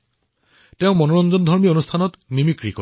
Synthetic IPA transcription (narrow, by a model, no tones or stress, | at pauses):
tɛʊmɔnɔɹɔnzɔndʱɔɹmionustʰanɔtnimikɹiko̰